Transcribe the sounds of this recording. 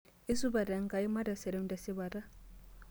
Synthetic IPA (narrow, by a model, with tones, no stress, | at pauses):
i˦su˦ba˨da˨ŋka˨i˦ma˦da˨sɛ˨ɾɛ˦mda˨si˦ba˨ɾa˦